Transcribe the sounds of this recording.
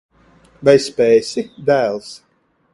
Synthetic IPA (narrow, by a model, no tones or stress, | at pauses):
vɛjspɛːjsʲik̚d̪ælˠs